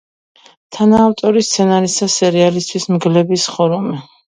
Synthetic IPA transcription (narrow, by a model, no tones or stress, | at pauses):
t̪ʰanaːft̪ʼɔɾist̪sʰɛnaɾisasɛɾialist̪ʰwismɡlɛbisχɔɾumɛ